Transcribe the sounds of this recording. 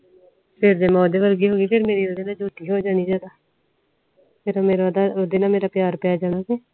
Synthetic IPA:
pʰɪɾd̪eːmɛ̃ːd̪eːʋəɾɡiːɦoːɡiːpʰɪɾmeːɾiːod̪eːnãːd͡ʒoːʈ̪iːɦoːd͡ʒaːniːd͡ʒaːd̪aː | pʰɪɾmeːɾd̪aod̪eːnãːmeːɾaːpjaːɾpjaːd͡ʒaːnaːɡeː

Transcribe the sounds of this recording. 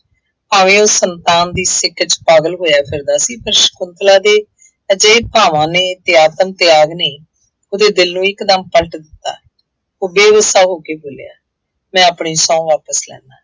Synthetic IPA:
aːʋẽːoːsənt̪aːnd̪iːsɪkːət͡ʃpaːɡəlɦoːjaːpʰɪɾd̪aːsiːpəɾʃə̥kʊnt̪laːd̪eː | əd͡ʒəeːpaːʋãːneːt̪eːaːt̪əmt̪eaːɡneː | oːd̪eːd̪ɪlnũːɪkd̪əmpəlʈd̪ɪt̪ːa̰ː | oːbeːʋəst̪aːɦoːkeːboːlja̰ː | mɛ̃ːəpɳiːsɔ̃ːʋaːpəslɛ̰ːnaː

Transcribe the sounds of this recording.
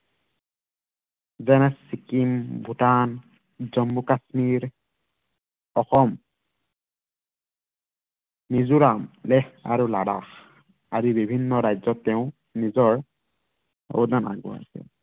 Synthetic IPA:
zɛnɛssikimbʱutan | zɔmbukasmiɹ | ɔxɔm | nizuɹamlɛxa̰ɹulada̰x | azibibʱinːɔɹajzɔtːɛʊ̃ | nizɔɹ | o̰dana̰ɡɔ̰a̰sɛ̰

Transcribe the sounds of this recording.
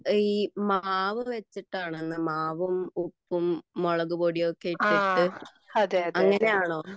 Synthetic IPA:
iːmaːʋɨʋet͡ɕːiʈːaːɳenːɨmaːʋumupːumːoɭɐɣuboːɽijokːeːiʈːiʈːɨ | ɐðeɐɐŋːɐne̞jaːɳo̞ː

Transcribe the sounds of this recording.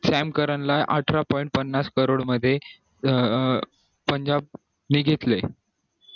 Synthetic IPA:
sæmkəɾəɳlajʔaʈʰɾapɔiɳʈ̚pənːaskəɾoɽməd̪ʱːje | pəɲd͡ʑab̚ | niɡʱet̪le

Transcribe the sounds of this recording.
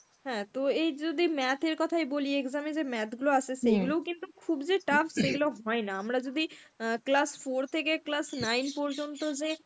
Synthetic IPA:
ɦɛ̃ːt̪oejd͡ʒod̪ʱimɛt̪ʰeɾkɔt̪ʰajbolieekzamed͡ʑemɛt̪ʰɡuloasʰeʃejɡulokint̪ukʰubd͡ʑeʈafʰseɡuloɦɔenaamɾad͡ʑod̪i | klasfoɾt̪ʰekeklasnajnpɔɾd͡ʑont̪od͡ʑe

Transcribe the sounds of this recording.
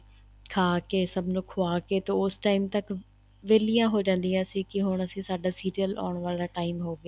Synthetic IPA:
kʰaːkeːsəbnũːkʰʊaːkeːt̪ɐʊːsʈaːɪmt̪ək | ʋeːlijãːɦoːd͡ʒãːnd̪iãːsĩːkɪɦʊɽ̃əsĩːsaːɖaːsiːɾijəla̰ːɽ̃ʋaːlaːʈaːɪmɦoːɡaː

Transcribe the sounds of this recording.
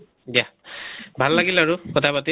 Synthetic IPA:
dia | bʱalːaɡilaɹukɔtʰapati

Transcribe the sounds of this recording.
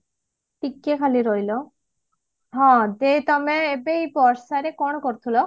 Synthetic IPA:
ʈikːekʰaliɾoɦilɔ | ɦɔ̃d̪et̪ɔmeebeipɔɾsaɾekɔɽ̃kɔɾt̪ʰulɔ

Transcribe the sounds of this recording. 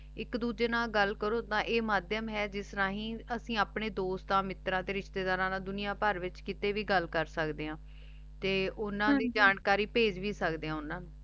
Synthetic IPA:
ɪkd̪uːd͡ʒeːnãːɡəlkəɾoːt̪ãːʔeːmaːd̪jəmɦɛːd͡ʒɪsɾãːɦĩːəsĩːaːpɳeːd̪oːst̪ãːmɪt̪ɾãːt̪eːɾɪʃt̪eːd̪aːɾãːnãːd̪ʊnijaːpəɾʋɪt͡ʃkɪt̪eːʋiːɡəlkəɾsəkd̪eːãː | t̪eːʔʊnãːd̪iːd͡ʒaːnkaːɾiːpeːd͡ʒʋiːsəkd̪eːɦãːʊnãːnũː

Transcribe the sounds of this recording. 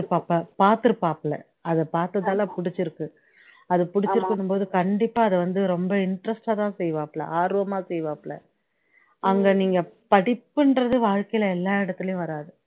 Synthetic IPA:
ɯpːaːpːɐpaːɾt̪ɯɾɯpːaːplɛ̰ | ɐðɐpaːɾt̪ɐðaːlapʊɽɪt͡ʃːɪɾɯkːɯ | ɐðɯpʊɽɪt͡ʃːɪɾɯkːɐɳːɯmpoːðɯkɐɳɖɪpːaːɐðɐʋɐnd̪ɯɾɔmbɐɪɳɖɾɐsʈaːt̪ãːsɛjʋaːpːlɐ̰aːɾɯʋɐmaːsɛjʋaːpːɭɛ̰ | ʔɐŋɡɐniːŋɡɐpɐɽɪpːɐɳɾɐðɯʋaːɻkɐjɪlɐɛlːaːɪɽɐt̪ːɪlɐjʊ̃ʋɐɾaːðɯ

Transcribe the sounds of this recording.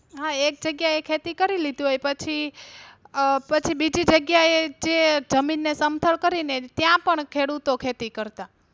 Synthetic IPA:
ɦaek̚d͡ʒəɡjaekʰet̪ikəɾilid̪ũɦojpət͡ʃʰi | pət͡ʃʰibid͡ʒid͡ʒəɡjaed͡ʒed͡ʒəminːesəmt̪ʰəɭkəɾinet̪jãpəɳkʰeɽut̪okʰet̪ikəɾt̪a

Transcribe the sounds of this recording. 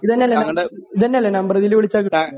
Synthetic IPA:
iðɐnːeɐlːeniðɐnːeɐlːenɐmbɐrɐðilʋiɭit͡ɕːaːkːi

